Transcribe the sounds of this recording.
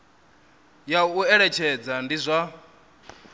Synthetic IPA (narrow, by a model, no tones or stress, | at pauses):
jauɛɺɛt͡ʃʰɛd͡zandizʷa